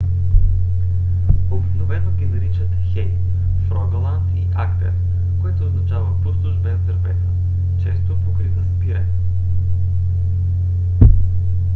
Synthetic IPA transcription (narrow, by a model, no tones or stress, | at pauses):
obiknovɛnoɡʲizɛɾit͡ʃət̪əxɛj | fɾɔɡɐlˠant̪iʔakt̪ɛ̰ɾ | koɛt̪oːznɐt͡ʃavəpost̪oʒbɛzd̪əɾvɛt̪ə | t͡ʃɛst̪ookɾit̪əspiɾan